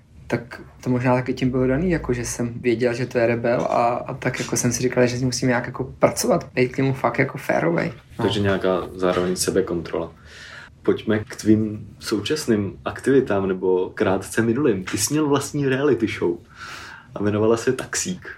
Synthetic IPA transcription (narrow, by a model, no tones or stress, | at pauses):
t̪akt̪omoʒnaːt̪akɪcɪmbɪlodaniːjakoʒɛsɛmvjɛɟɛlʒɛt̪o̞jɛɾɛbɛla̰t̪akjako̞sɛmsɪrikalʒɛsɲɪmusiːmɲaːkjako̞pɾat͡sovat̪b̥ɛjt̪̚kɲɛmufak̚t̪jako̞fɛ̰ːɾovɛ̰j | t̪oʒɛɲɛakaːzaːɾovɛɲsɛbɛko̞nt̪ɾo̰la | po̞cmɛkt̪viːmso̞wt͡ʃasnɪmʔakt̪ɪvɪt̪aːmnɛbo̞kɾaːt̪t͡sɛmɪnulɪmt̪ɪsɪmɲɛlvlast̪ɲiːɾɛalɪt̪ɪʃow | ʔavjɛnovalasɛt̪ḁksiːk